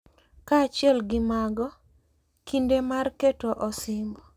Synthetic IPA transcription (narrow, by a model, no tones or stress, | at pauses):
kaːt͡ʃjɛlɡɪmaɡɔ | kʰindemarketoʔɔsɪmbɔ